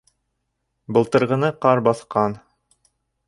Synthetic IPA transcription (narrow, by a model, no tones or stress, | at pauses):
bɤ̆lˠt̪ɤ̆ɾʁɤ̆nɤqɑɾbɑθqɑn